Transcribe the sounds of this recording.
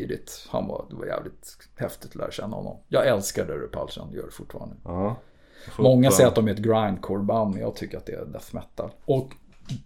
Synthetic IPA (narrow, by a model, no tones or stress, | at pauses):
id̪ɪt̪hanvad̪ɛvajæ̰ːvlɪt̪ | hɛft̪ɪt̪ʰːɔlæːɾaɕɛnːahɔ̰nːɔmjɑːɡɛlskaɖɛɾɛpʰalsanjœ̰ːɖɛfʊʈːfɑːɾand̪ə | mɔŋːassɛjəɾat̪̚d̪ɔmhɛːt̪ɡɾajnkʰoɾbanmɛnjɑːɡ̚t̪ʰʏkːəɾat̪̚d̪ɛɛd̪ɛsmɛt̪ːad̪ɔk